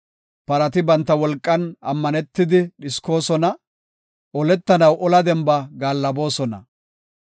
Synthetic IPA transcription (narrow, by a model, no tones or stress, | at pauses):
pɐɾɐt̪ɪbɐnt̪ːɐwɔlkʼːɐnɐmːɐnɛt̪ːɪd̪ɪɗɪsko̞ːsɔnɐ | ɔlɛt̪ːɐnɐwʔɔlɐd̪ɛmbɐɡaːlːɐbo̞ːsɔnɐ̰